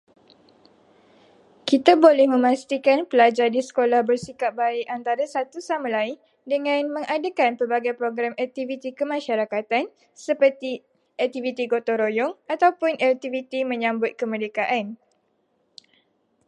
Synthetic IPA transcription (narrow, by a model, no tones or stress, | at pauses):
kit̪abolɛhmə̃mãst̪ikanpəlad͡ʒardisə̥kolahbərsikap̚baɪʔant̪aɾasat̪usamãlaɪn | dəŋãnmə̃ŋʔadakanpərbaɡajpɾoɡɾamɛk̚t̪ivit̪ikəmãʃaɾakat̪an | səpərt̪i | ɛk̚t̪ivit̪iɡot̪oɾojɔŋat̪awpʊnʔɛt̪ivit̪imə̃ɲãmbʊt̪̚kəmə̃dekaʔan